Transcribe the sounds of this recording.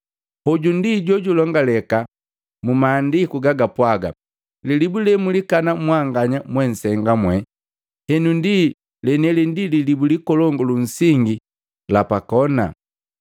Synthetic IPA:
hɔɟundiɟɔɟulɔŋɡalɛka | mumaːndikuɡaɡapwaɡa̰ | lilibulɛmulikanamwaŋɡaɲamwɛn̩sɛŋɡamwɛ | hɛnundi | lɛnɛlɛndililibulikɔlɔŋɡɔlun̩siŋɡi | lapakɔna̰

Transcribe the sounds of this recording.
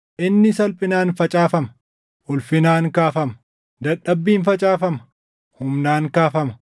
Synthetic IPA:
ʔɪnːɪsɐlpʼɪnaːnfɐt͡ʃʼaːfɐmɐ | ʔʊlfɪnaːŋkaːfɐmɐ | d̪ɐᶑːɐbːiːnfɐt͡ʃʼaːfɐmɐ | hʊmnaːŋkaːfɐmɐ

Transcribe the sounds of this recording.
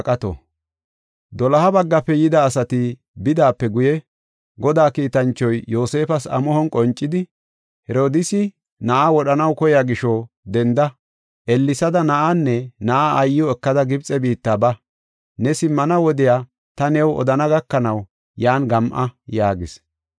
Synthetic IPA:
kʼɐt̪ɔ̰ | d̪ɔlɐhɐbɐɡːɐpːɛjɪd̪ɐːsɐt̪ɪ | bɪd̪aːpːɛɡʊjɛ | ɡɔd̪aːkiːt̪ɐnt͡ʃːɔjːo̞ːse̞ːfɐsɐ̰mɔhɔnkʼɔnt͡ʃʼːɪd̪ɪ | hɛɾo̞ːd̪ɪsɪ | nɐʔawɔɗɐnɐwkɔjaːɡɪʃɔ | d̪ɛnd̪ɐ | ʔɛlːɪsɐd̪ɐnɐʔanːɛnɐʔaːjːɪɔɛkːɐd̪ɐɡɪbt͡sʼɛbiːt̪ːaːbɐ | nɛsɪmːɐnɐwɔd̪ɪjaː | t̪ɐnɛwɔ̰d̪ɐnɐɡɐkːɐnɐw | jaːnɡɐmʔɐjaːɡɪs

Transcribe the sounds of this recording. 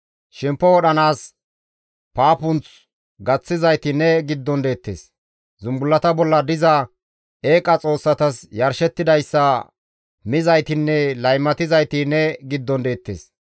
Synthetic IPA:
ʃɪmpːɔwɔɗɐnaːs | paːpʊnt͡s | ɡɐt͡sːɪzɐjt̪ɪnːɛɡɪd̪ːɔnd̪e̞ːt̪ːḛːs | zʊmbʊlːɐt̪ɐbɔlːɐd̪ɪzɐ | e̞ːkʼɐt͡sʼo̞ːsːɐt̪ɐsjɐɾʃɛt̪ːɪd̪ɐjsːɐ | mɪzɐjt̪ɪnːɛlɐjmːɐt̪ɪzɐjt̪ɪnːɛɡɪd̪ːɔnd̪e̞ːt̪ːḛːs

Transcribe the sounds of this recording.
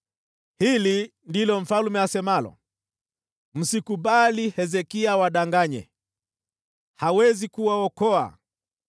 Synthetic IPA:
hilindilɔm̩falumɛasɛmalɔ̰ | m̩sikuɓalihɛzɛkiawaɗaŋɡaɲɛ̰ | hawɛzikuwaɔkɔa̰

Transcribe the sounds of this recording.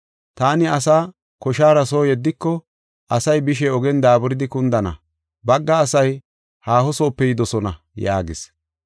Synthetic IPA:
t̪aːnɪɐs̬aː | kɔʃaːɾɐsoːjɛd̪ːɪkːɔ | ɐsɐjbɪʃ̬ɛɔɡɛnd̪aːbɔɾɪd̪ɪkʊnd̪ɐnɐ̰ | bɐɡːɐːsɐj | haːhɔso̞ːpːɛjɪd̪ɔsɔnɐ | ja̰ːɡɪs

